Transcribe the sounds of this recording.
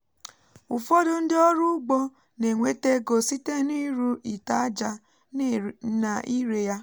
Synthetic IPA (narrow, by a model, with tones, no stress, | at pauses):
u˨fo˦do˦n̩˦dɪ˦ɔ˦ɾu˦ɡ͡bɔ˦ | ne˨ŋʷe˦te˦ɡo˨si˦te˦˨˦ni˦ɾu˦ʔi˨ta˦d͡ʒa˦ | na˨ʔi˦ɾe˨ja˦